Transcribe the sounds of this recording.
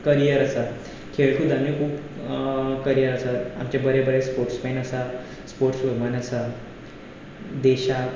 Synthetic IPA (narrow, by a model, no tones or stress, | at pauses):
kəɾijəɾəsa | kʰeɭt̪ʰud̪amekʰuːp | kəɾijəɾəsaa̰mt͡ɕabəɾebəɾespoɾʈsmenəsa | spoɾʈsʋəɡmanəsa | d̪eɕa